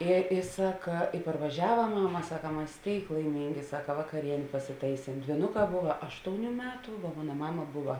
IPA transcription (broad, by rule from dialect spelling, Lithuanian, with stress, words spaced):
ɪ ɪ ˈsɑːkɐ ɪ pɐrʋɐˈʒʲæːʋɐ ˈmɑːnoː ˈmɑːmɐ ˈsɑːkɐ ˈmɐs ˈtʲeːɪk lˠɐɪˈmʲɪŋʲɡʲɪ ˈsɑːkɐ ʋɐkɐˈrʲiɛnʲeː pɐsʲɪˈtɐɪsʲeːm dʲʋʲiːˈnʊˌkɑː ˈbʊʋɐ ˈɑːʃtoːʊˌnʲuː ˈmʲæːtʊ ʋoː ˈmoːnɐ ˈmɑːmɐ ˈbʊʋɐ